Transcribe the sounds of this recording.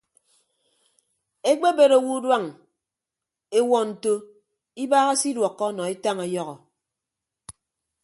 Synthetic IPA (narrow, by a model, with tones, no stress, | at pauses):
e˦k͡pe˦be˨ɾo˨wu˦dwa˦˨ŋ | e˦wɔ˨n̩˨to˦ | i˦baː˦ɣa˦si˦dwɔ˨kːɔ˦nɔ˨i˦ta˦ŋe˨jɔ˦ɣɔ˨